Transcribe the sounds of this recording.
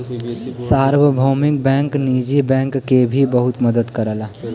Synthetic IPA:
saːɾwəbʱoːmɪk̚bɛ̃ːŋkniːd͡ʒibɛ̃ːŋkːebʱibəɦʊt̪məd̪əd̪kəɾəla

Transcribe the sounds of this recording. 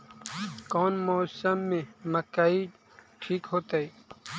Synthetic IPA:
kɔːnmoːsəmːẽməkai | ʈʰiːkɦoːt̪ai

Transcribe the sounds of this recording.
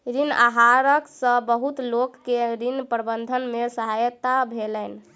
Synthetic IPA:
ɾina̰ɦaɾəksə̃bəɦut̪lokːeɾinpɾəbənd̪ʱənmesəɦajt̪abʱelən

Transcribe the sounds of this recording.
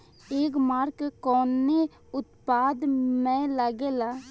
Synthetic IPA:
eːkmaːɾkkoːne | ʊt̪paːd̪mɛ̃ːləɡeːlaː

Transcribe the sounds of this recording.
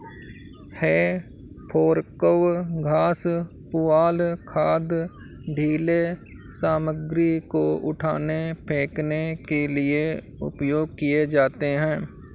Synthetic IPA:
heː | pʰoːɾkəʋɡʱaːs | pʊaːlkʰaːd̪ | ɖʱiːle | saːməɡɾikoʊ̰ʈʰa̰ːnepʰẽːknekelɪe | ʊ̰pjoːɡ̚kijed͡ʒaːt̪eɦɛ̃ː

